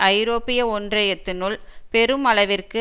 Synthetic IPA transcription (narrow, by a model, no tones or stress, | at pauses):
ʔɐɪɾoːpːɪjɐɔndrɐjɛt̪ːɯnʊɭpɛɾɯmɐɭɐʋɪrkɯ